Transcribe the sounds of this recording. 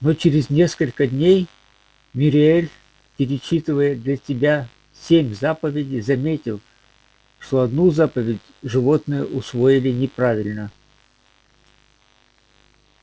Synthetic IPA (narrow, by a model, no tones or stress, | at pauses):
not͡ɕɪɾʲɪzʲnʲe̞skəlʲkəd̪ʲnʲej | mʲɪɾʲɪelʲ | pʲɪɾʲɪt͡ɕːit̪ɨvəjəd̪lʲɐsʲɪbʲa | sʲemʲzapəvʲɪdʲɪjzɐmʲetʲɪlˠ | ʂt̪o̞ɐd̪nuzapəvʲɪdʲʐɨvo̞t̪nɨjəʔʊsvo̞jɪlʲɪnʲɪpɾavʲɪlʲnə